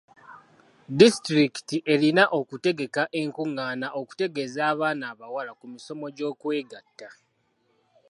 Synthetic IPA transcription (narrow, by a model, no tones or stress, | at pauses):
distɾiki̥tiʔe̞linaʔo̞kute̞ɡe̞kaʔe̞ŋkuŋːaːnaʔo̞ku̥te̞ɡe̞zaːβaːnaːβawalakumiso̞mo̞ɟo̞ːkwe̞ːɡatːa